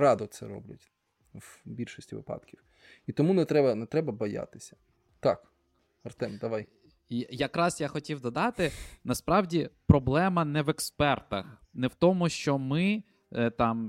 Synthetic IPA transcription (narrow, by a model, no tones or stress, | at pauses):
ɾɑd̪ɔt̪sɛ̰ɾɔ̰blʲɐ̰tʲ | wbʲilʃɔsʲtʲiʋɪ̰pɑ̰d̪kʲiw | it̪ɔmunɛt̪ɾɛbɐnɛt̪ɾɛbɐbɐja̰t̪ɪ̥sʲɐ̥ | t̪ɑk | ɐrt̪ɛmd̪ɐʋɑj | ijɐkɾɑsjaxɔtʲiwd̪ɔd̪ɑt̪ɪnɐspɾɑwdʲipɾɔblˠɛmɐnɛʋɛkspɛrt̪ɐxnɛwt̪ɔmʊʃt͡ʃɔmɪ | t̪ɑm